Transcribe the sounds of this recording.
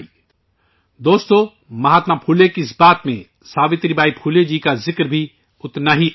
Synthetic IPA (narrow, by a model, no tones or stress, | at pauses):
d̪oːst̪õ | mɐɦaːt̪mapʰuːlekiɪsbaːt̪mẽ | saːʋɪt̪ɾibaːipʰuːled͡ʒiːkazɪkɾbʱi | ʊt̪naɦi